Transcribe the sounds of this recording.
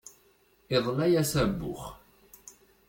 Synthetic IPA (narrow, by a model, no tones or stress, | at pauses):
ɪðˤnæjæsæbːʊ̰χ